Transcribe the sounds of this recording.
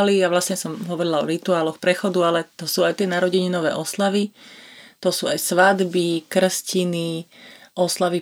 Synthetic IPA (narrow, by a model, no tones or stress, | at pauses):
lijaʋlasɲɛsɔmɦɔʋɔɾilaɔɾit̪uaːlɔxpɾɛxɔd̪ualɛt̪ɔsuːajt̪ɪɛnaɾɔɟɛɲinɔʋɛ̰ːʔɔslaʋi | t̪ɔsuːajsʋad̪bikr̩sciniʔɔslaʋi